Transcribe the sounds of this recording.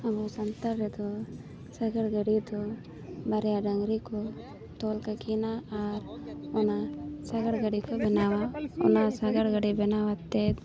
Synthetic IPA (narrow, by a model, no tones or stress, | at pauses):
ɐbusɐnt̪ɐɾet̪u | sɐɡɐɽɡɐɽit̪u | bɐɾejaɖɐŋɾiku | t̪oːlkɐkiːnaaːɾunasɐɡɐɽɡɐɽikubinaʋaɔ̰nasɐɡɐɽɡɐɽibenaʋɐt̪ːet̪